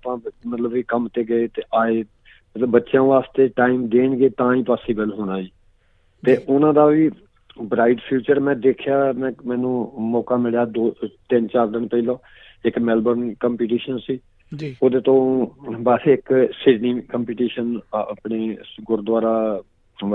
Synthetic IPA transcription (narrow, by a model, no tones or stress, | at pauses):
pãːmət̪ləbiːkəmt̪eːɡəeːt̪eːʔaːeː | mət̪ləbːətːʃjãːʋaːst̪eːʈaːimd̪eːɳɡeːt̪ãːĩːpaːsiːbəlɦoːɽaːiː | t̪eːʔʊnãːd̪aːʋiː | bɾaːɪɖpʰiːt͡ʃəɾmɛ̃ːd̪eːkʰjaːmɛ̃ːmɛ̃ːnũːmɔːkaːmɪljaːd̪oːt̪ɪnt͡ʃaːɾd̪ɪnpəilõː | ɪkmɛːlbənkəmpiːʈ̬iːʃənsiː | d͡ʒoːd̪eːt̪õːbəsɪksɪɖniːkəmpiːʈiːʃənːpɳeːɡʊɾd̪waːɾaː